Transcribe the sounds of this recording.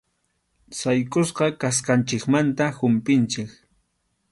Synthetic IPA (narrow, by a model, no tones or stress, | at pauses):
sajkʼʊsqɑkasqant͡ʃɪkmant̪ahʊmpɪnt͡ʃɪk